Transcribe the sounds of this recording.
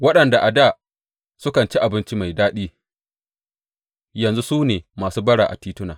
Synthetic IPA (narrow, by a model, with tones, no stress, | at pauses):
wɐ˦ɗɐ˨nda˨ʔa˨da˦˨ | sʊ˦kɐ˨nt͡ʃi˦ʔa˨bɪ˦nt͡ʃi˦ma˨jdaː˦ɗiː˦ | jɐ˨nzu˦suː˦neː˨maː˨suː˦bɐ˦ɽaː˨ʔa˨tiː˦tʊ˦na̰ː˨